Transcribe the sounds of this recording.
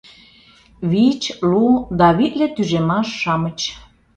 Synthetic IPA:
βit͡ɕlud̪ɑβit̪lʲet̪yʒemɑʃːɑmət͡ɕ

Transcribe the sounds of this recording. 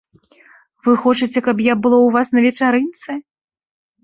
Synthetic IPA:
vɨxɔt͡ʂɨt͡sʲɛkɐpjabɨlˠɔwvasnɐvʲɛt͡ʂaɾɨnt̪sɨ

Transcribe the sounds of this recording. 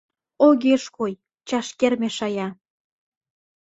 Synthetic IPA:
oɣeʃkoj | t͡ɕɑʃkermeʃɑjɑ

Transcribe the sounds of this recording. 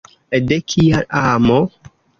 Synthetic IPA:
edekʰijalaːmo

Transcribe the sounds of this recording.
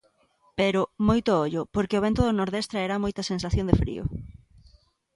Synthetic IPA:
peɾʊmojt̪ooʎʊpoɾkeoβ̞ent̪ʊðonoɾðest̪ɾaeɾamojt̪ɐsensaθjõnd̪efɾḭo̰

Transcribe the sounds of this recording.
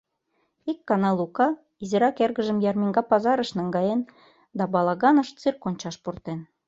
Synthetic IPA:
ikːɑnɑlˠukɑ | izeɾɑkerɣəʒə̆mjɑrmiŋɡɑpɑzɑɾəʃnɑŋɡɑjen | d̪ɑbɑlɑɣɑnə̆ʃt͡syrkonʲt͡ɕɑʃpurt̪en

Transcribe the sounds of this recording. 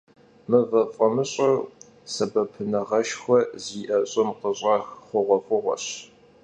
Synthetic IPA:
mɨvɐfʼɐmɨɕʼɐ | sɐbɐpʰɨnɐʁɐʃxʷɔziːʔɐɕʼɪmqəɕʼɑxχʷʊʁʷɔfʷʊʁʷɔ̰ɕ

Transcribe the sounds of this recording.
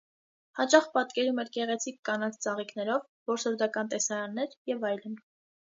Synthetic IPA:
hɑt͡ʃɑχpɑt̪kɛɾumɛɾkɛʁɛt͡sʰikːɑnɑt͡sʰt͡sɑʁiknɛɾɔv | vɔɾsɔɾd̪ɑkɑnt̪ɛsɑɾɑnːɛɾjɛvɑjlən

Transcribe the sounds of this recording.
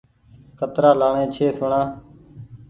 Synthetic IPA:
kət̪ɾaːlaːɳẽːt͡ʃʰeːsʊɳãː

